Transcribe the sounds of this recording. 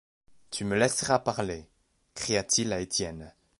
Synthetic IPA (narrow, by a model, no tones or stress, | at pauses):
t̪ʰyməlɛsʁapaʁle | kχijat̪ilaet̪jɛn